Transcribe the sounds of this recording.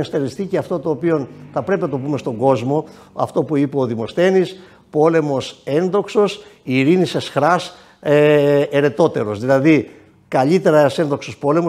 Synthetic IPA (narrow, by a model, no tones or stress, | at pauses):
st̪eɾisθiceɐft̪o̞t̪o̞ːpio̞nθɐpɾe̞pinɐt̪o̞pume̞st̪o̞ŋɡo̞zmo̞ | ɐ̰ft̪o̞puipeoðimo̞sθe̞nis | po̞le̞mo̞se̞nðo̞kso̞siɾinise̞sxɾɐs | eeɾe̞t̪o̞t̪e̞ɾo̞zðilɐði | kɐʎit̪e̞ɾɐse̞nðoksospo̞le̞mo